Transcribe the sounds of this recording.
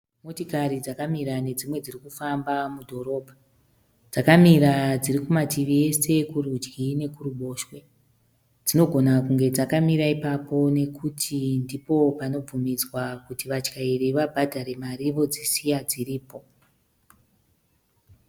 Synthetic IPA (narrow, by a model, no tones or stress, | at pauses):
mo̞tikaɾid͡zakamiɾane̞d͡zimwe̞d͡zirikufambamudʱo̞ɾo̞ːbʱa | d͡zakamiɾad͡ziɾikumatiʋie̞se̞kurud͡ʒɡine̞kuruɓo̞ːʃwe̞ | d͡zino̞ɡʱo̞nakuŋɡe̞d͡zakamiɾaipapo̞ne̞kʰutʰindipo̞pano̞b͡vumid͡zwakutiʋat͡ʃkairiʋabʱadʱaɾe̞maɾiʋo̞d͡zisijad͡ziriːpo̞